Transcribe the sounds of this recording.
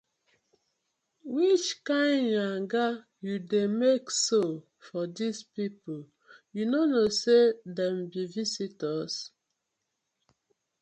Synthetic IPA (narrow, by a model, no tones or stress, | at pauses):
wit͡ʃkãɪ̃ndjãŋɡa | judemekso | fɔdispipol | junonosedɛ̃mbivisitɔs